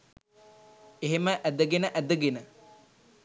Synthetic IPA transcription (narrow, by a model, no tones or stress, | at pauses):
eɦeməʔæd̪əɡenəʔæd̪əɡenə